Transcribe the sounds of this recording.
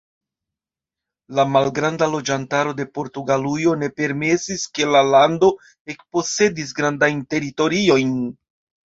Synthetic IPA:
lamalɡɾandalo̞d͡ʒantaɾo̞de̞po̞ɾtuɡalujo̞ne̞pe̞ɾme̞siske̞lalando̞ | e̞kpo̞se̞dis̬ɡɾandajnte̞ɾito̞ɾio̞jn

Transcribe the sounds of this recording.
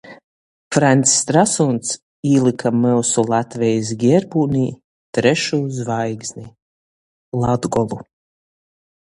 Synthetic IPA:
fɾanʲt̪sːt̪ɾasunt̪s | iːlˠɨkʰamɛwsulˠat̪vɛjs̬ɡʲɛɾbuːnʲiː | t̪ɾɛʃuːzvajɡznʲi | lˠad̪ɡɔlˠu

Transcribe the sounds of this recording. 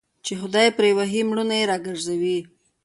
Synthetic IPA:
t͡ʃexʊd̪ɑjpɾewaɦimɽunajeɾɑɡəɾzawi

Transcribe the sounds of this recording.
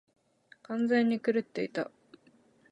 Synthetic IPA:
kãnd͡zẽ̞ɲ̟ːikɯ̟ɾɯ̟t̪ːe̞it̪a

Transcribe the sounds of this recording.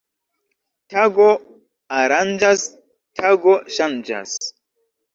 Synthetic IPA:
taɡo | aɾand͡ʒas | tʰaɡoʃand͡ʒa̰s

